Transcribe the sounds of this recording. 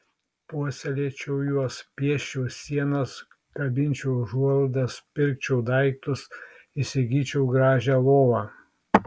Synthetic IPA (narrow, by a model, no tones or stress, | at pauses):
puɔsʲɛlʲeːt͡ʃʲɛʊjuɔspʲiɛʃʲt͡ʃʲɛʊsʲiɛnɐs | kɐbʲɪnʲt͡ʃʲɛʊʒuɔlˠd̪ʲɐspʲɪɾʲk̚t͡ʃʲɛʊd̪ɐɪkt̪ʊs | ɪsʲɪɡʲiːt͡ʃʲɛʊɡɾɑːʒʲæːlˠoːʋɑː